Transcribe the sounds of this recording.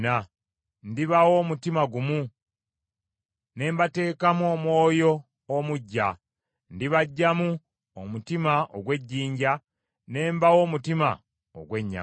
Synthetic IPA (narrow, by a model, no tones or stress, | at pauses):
na | ndiβawo̞ːmutimaɡumu | ne̞ːmbate̞ːkamuo̞mwo̞ːjo̞ː | muɟːa̰ | ndiβaɟːamu | omutimaʔoɡwe̞ɟːiːɲɟa | ne̞ːmbawo̞ːmutima̰ | o̰ɡwe̞ɲːa̰